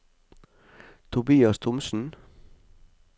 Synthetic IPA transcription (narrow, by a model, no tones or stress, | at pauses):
t̪ʰʊbiːɑst̪ʰʊmsn̩